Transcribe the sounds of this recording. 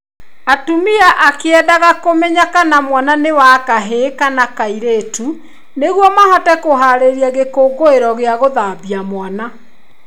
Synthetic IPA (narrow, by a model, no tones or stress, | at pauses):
atumiaʔakeɛdaɣakomɛɲakanamwananewakaɦekanakaiɾetu | neɣwɔmahɔtɛkoɦaɾeɾiaɣekoːɡoeɾɔɣeaɣoðabjamwana